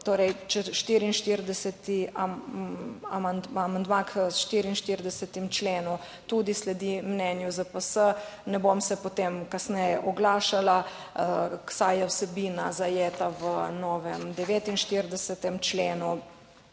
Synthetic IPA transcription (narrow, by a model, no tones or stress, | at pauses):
t̪oːɾɛjt͡ʃɛʃt̪iːɾiːnʃt̪iɾd̪ɛsɛt̪i | amand̪amand̪maksʃt̪iɾiːnʃt̪iɾd̪ɛsɛt̪imt͡ʃleːnu | t̪ud̪islɛd̪imnɛnjuzəpəsə | nɛbomsɛpot̪eːmkasnɛjɛʔɔɡlaːʃala | ksajjɛwsɛbiːnazajeːt̪aʋənɔːʋɛmd̪ɛʋeːt̪inʃt̪iɾd̪ɛsət̪ɛmt͡ʃleːnu